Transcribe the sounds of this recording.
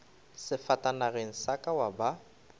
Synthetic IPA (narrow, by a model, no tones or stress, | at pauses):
sɪfatʼanaɣɪŋ̩sakʼawaba